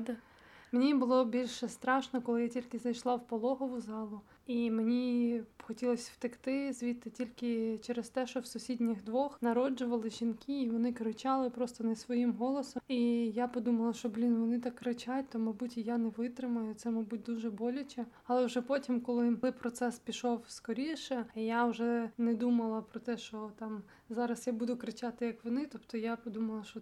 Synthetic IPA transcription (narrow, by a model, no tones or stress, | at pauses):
d̪ | menʲibʊlˠɔbʲilʲʃɛst̪ɾɑʃnɔkɔlˠɪjatʲilʲkɪzɐjʃlˠɑwpɔlˠɔɦɔʋʊzɑlˠʊ | imenʲixɔtʲilˠɔsʲwt̪ɪkt̪ɪzʲʋʲit̪ːɐtʲilʲkɪt͡ʃɛɾɛst̪ɛʃt͡ʃɔwsʊsʲidʲnʲiɣd̪ʋɔxnɐɾɔd͡ʒʊʋɐlˠɪʒinkiːʋɔnɪkɾɪt͡ʃɑlˠɪpɾɔst̪ɔnɛsʋɔjimɦɔlˠɔsɔijapɔd̪umɐlˠɐʃt͡ʃɔblʲinʋɔnɪt̪ɑkːɾɪt͡ʃat̚ʲt̪ɔmɐjbutʲijanɛʋɪt̪ɾɪmɐjʊt̪sɛmɐjbut̚ʲd̪uʒɛbɔlʲʊt͡ʃʲɛɐlˠɛʊʒɛpɔtʲimkɔlˠɪlˠɪpɾɔt̪sɛspʲiʃɔwskɔɾʲiʃɛijawʒɛnɛd̪umɐlˠɐpɾɔt̪ɛʃt͡ʃɔt̪ɑm | zɑɾɐsjabud̪ʊkɾɪt͡ʃat̪ɪjɐkʋɔnɪt̪ɔpt̪ɔjapɔd̪umɐlˠɐʃt͡ʃɔ